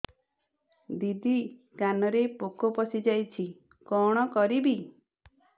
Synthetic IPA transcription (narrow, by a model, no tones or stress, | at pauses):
d̪id̪i | kanɔɾepokɔpɔsid͡ʒajt͡ʃʰi | kɔɽ̃ɔkɔɾibi